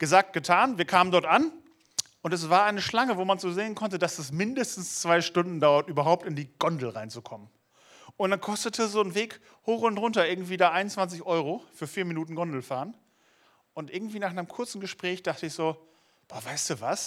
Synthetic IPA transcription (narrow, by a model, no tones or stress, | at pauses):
ɡ̥əzaːk̚t̚ɡ̥ətʰaːnviːɐkʰaːməndɔɐtʔan | ʔʊntɛs̬v̥aːɐʔaɪnəʃlaŋəvoːmanzoːzeːənkʰɔntədasɛsmɪndəstn̩st͡sv̥aɪʃtʊndn̩daʊɐtʔyːbɐɦaʊp̚tɪndiːɡ̥ɔndl̩ʁaɪnt͡sukʰɔmən | ʔʊntd̥ankʰɔstətʰəzoːnveːk | hoːχʊntʁʊntɐʔɪɐɡŋ̩tv̥iːdaːʔaɪnʊnt͡sv̥ant͡sɪçʔɔʏʁofyːɐfiːɐminuːtn̩ɡɔndl̩faːʁən | ʔʊntʔɪɐɡŋ̩tv̥iːnaːχʔanəmkʰʊɐt͡sn̩ɡəʃpʁ̥ɛːçd̥aχtəɪçz̥oː | b̥ɔːɐvaɪstd̥uːvas